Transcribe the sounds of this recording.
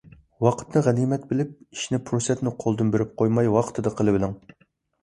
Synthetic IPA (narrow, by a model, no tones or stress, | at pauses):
wɑqʰə̥t̪nɨʁænimɛt̪bɪlɪp̚i̥ʃnɪpʰɾusɛt̪nɪqʰolˠd̪ɨnbeɾɪp̚qʰojmɑjwɑqʰə̥t̪ʰɨd̪ɨqʰəlˠɨbɪlɪŋ